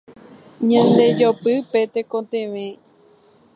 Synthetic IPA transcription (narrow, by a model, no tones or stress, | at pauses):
ɲãnd̪e̞d͡ʒopɨpet̪ekõt̪ẽʋẽ